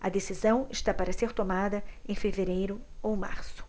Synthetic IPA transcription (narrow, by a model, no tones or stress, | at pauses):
ɐd̪esizɐ̃w̃ɪʃt̪apaɾɐseɾt̪omad̪ɐẽfeveɾejɾʊowma̰ɾsʊ̥